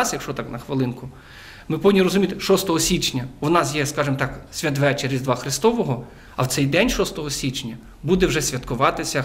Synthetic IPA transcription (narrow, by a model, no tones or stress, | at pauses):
ɑsjɐkʃt͡ʃɔt̪ɑknɐxʋɪlˠɪnkʊ | mɪpɔʋʲidʲnʲːiɾɔzʊmʲit̪ɪʃɔst̪ɔɦɔsʲit͡ʃnʲɐwnɑsjɛskɑʒɪmt̪ɑksʲʋʲɐt̪ʋɛt͡ʃeɾʲizʲd̪ʋɑxɾɪst̪ɔʋɔɦɔ | ɐwtsɛjd̪ɛnʲʃɔst̪ɔɦɔsʲit͡ʃnʲɐ | bud̪ɛwʒɛsʲʋʲɐt̪kʊʋɑt̪ɪsʲɐ